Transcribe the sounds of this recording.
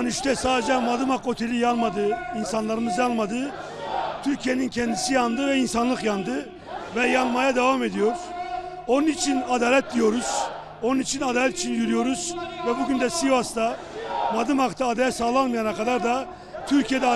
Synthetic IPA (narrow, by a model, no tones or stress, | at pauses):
nyʃt̪ɛsaːd̪ed͡ʒɛmad̪ɯmako̞t̪ʰe̞lʲijalˠmad̪ɯinsanlˠaɾɯmɯzjanlˠmad̪ɯ | t̪ʰyɾcʰijenincʰɛnd̪isijand̪ɯvɛinsanlˠɯkjand̪ɯ | vɛjanˠmajad̪evame̞d̪ijo̞ɾ̥ | o̞nunit͡ʃʰinad̪aːlʲɛt̪̚d̪ijo̞ɾuz̥ | onunit͡ʃʰinad̪aːlʲɛt̪i̥t͡ʃʰinjyɾyjo̞ɾuzvɛbuɟynd̪ɛsiast̪a | mad̪ɯmhakt̪ʰaːd̪ajasaːlˠanmɯjanakad̪aɾd̪a | t̪ʰyɾcʰijed̪ɛ